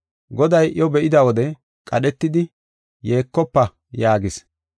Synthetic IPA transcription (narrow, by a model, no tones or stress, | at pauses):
ɡɔd̪ɐjʔɪjɔbɛʔɪd̪ɐwɔd̪ɛ | kʼɐɗɛt̪ːɪd̪ɪ | je̞ːkːɔpːɐ | jaːɡɪs